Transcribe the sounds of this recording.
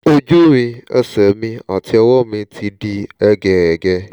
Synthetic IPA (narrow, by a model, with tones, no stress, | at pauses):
o˦d͡ʒu˦wĩ˧ɛ̰˦sɛ˨mĩ˦a˨t̪i˦ɛ˨wɔ˦mĩ˧t̪ʰi˨ɖi˦ɛ˦ɡɛ˨ɛ˨ɡɛ˦